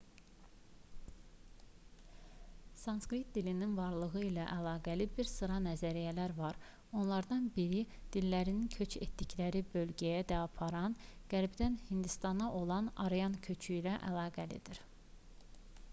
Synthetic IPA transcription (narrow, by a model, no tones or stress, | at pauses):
sɑnskɾit̪̚d̪ilininvɑɾlˠɯɣɯilæʔælˠɑːɡælibiɾsɯɾɑnæzæɾijælæɾvɑɾ | o̞nlˠɑɾd̪ɑnbiɾid̪̥ilːæɾininkʰø̞t͡ʃḛt̪d̪iclæɾibø̞lɟæjæd̪æɑpʰɑɾɑnɡ̥æɾbd̪ænhind̪ist̪ɑnɑʔo̞lˠɑnɑ̰ɾejɑncʰø̞t͡ʃʰyilæʔæ̰lˠɑːɡælḭd̪iɾ